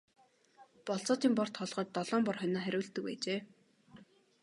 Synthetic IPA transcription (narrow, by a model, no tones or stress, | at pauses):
pɔɬt͡sɔːt̪iːmpɔr̥t̪χʰɔɮʁə̆t̚t̪ːɔɮɔːmpɔrχœnaːχæɾʲʊːɬt̪ɘ̆pæ̰ːt͡ɕeː